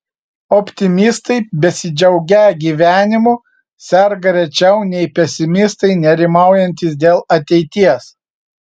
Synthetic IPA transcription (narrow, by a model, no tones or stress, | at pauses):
ɔpʲt̪ʲɪmʲɪst̪ɐɪbʲɛsʲɪd͡ʒʲɛʊɡʲɛɡʲiːʋʲæːnʲɪmu | sʲɛɾɡɐɾʲɛt͡ʃʲɛʊnʲɛɪpʲɛsʲɪmʲɪst̪ɐɪnʲɛɾʲɪmɑˑʊjɛnʲt̪ʲɪsd̪ʲeːlˠɐt̪ʲɛɪt̪ʲiɛs